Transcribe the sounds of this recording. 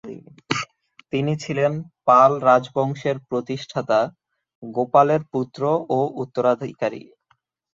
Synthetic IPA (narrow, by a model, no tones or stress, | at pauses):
t̪init͡ɕʰilenpalɾad͡ʑbɔŋʃeɾpɾot̪iʃʈʰat̪a | ɡopaleɾput̪ːɾoʔoʔut̪ːoɾad̪ʱkaɾḭ